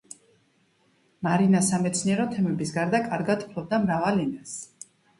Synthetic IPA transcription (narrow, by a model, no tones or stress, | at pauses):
maɾinasamɛt̪sʰniɛɾɔt̪ʰɛmɛbisɡaɾd̪akʼaɾɡad̪ʰu̥pʰlɔbd̪amɾavalinɛs